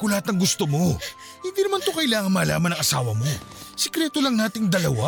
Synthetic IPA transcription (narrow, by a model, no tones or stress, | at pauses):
kʊlɐhat̪nɐŋɡʊst̪omo̞ | hɪnd̪iːnɐmant̪okɐʔɪlaːŋɐnmɐla̰ːmɐnɐŋʔɐsaːwɐmo̞sɛkɾɛt̪olɐŋnaːt̪ɪŋd̪ɐlɐwa